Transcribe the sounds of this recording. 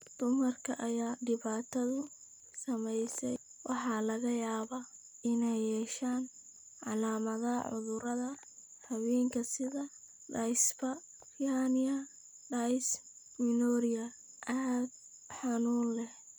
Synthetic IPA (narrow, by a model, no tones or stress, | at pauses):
d̪̥ʊmɐrkʰɐʔɐjaːɖɪβaːt̪ʰɐðʊ | sɐmɛjsɛ | wʔɑħɑlɐɣɐjaːβa | ɪnɛjːɛːʃaːn | ʕɑ̰laːmɐðɐʕʊ̰ðʊɾɐðɐ | rɐβiːŋkʰɐsɪðɐ | ɖɐjsbɐ | fianɪɐ | ɖɐjs | mɪnɔːɾɪjɐ | ʔad̪̚ | ħɑnuːnlɛh